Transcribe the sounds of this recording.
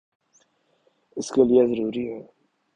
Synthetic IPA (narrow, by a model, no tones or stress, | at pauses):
əskəljæzɾuɾi